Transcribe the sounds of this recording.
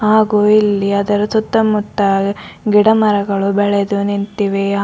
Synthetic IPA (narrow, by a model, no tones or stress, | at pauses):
ɦaːɡuːilːiɐd̪ɐɾusut̪ːɐmut̪ːɐɡiɽɐmɐɾɐɡɐɭubɛɭed̪unint̪iʋe